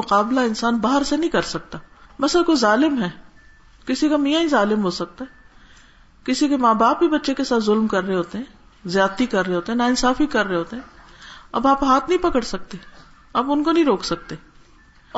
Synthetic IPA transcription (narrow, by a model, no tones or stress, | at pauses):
ʊqaːblaɪnsaːnbaːɦəɾsenɐɦĩkɐɾsɐk̚t̪aːmɐsəkozaːlɪmɦɛː | kɪsikamijaĩzaːlɪmɦosɐk̚t̪aɦɛː | kɪsikemaːbaːpbibɐtːʃekesaːt̪ʰzʊlmkɐɾːeɦoːt̪eɦɛ̃ː | zjaːt̪ːikɐɾːeɦoːt̪eɦɛ̃naɪnsaːfikɐɾːeɦoːt̪eɦɛ̃ːɐ̰baːpɦaːt̪ʰnɐɦĩpɐkəɽsɐk̚t̪e | ɐbʊnkonɐɦĩɾoːksɐk̚t̪eː